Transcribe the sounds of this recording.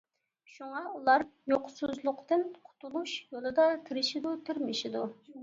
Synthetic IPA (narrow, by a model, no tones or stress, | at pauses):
ʃuŋɑulˠɑɾjoqsuzlˠʊqt̪ɨnqʰʊ̥t̪ʰulˠuʃjolˠɨd̪ɑt̪ʰɪɾɪʃɪd̪ut̪ʰɪɾmɪʃɪd̪u